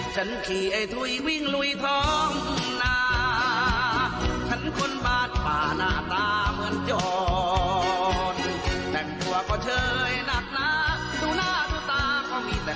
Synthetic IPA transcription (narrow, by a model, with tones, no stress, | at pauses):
t͡ɕʰa˦˥nkʰiː˨˩ʔa˧˩jt̪ʰu˧˩jwi˥˩ŋlu˧˥jt̪ʰɔː˦˥ŋnaː˧ | t͡ɕʰa˦˥nkʰo˧nbaː˧˩t̪̚paː˨˩naː˧˩t̪aː˧mɯ˧ənjɔː˧˩ | nt̪ɛ˨˩ŋt̪uː˧ɐkɔː˧˩t͡ɕʰɤː˧jna˧˩k̚na˦˥ | duː˧naː˥˩t̪ʰuː˧˩t̪aː˧kʰɔː˧˩miː˧t̪ɛː˨˩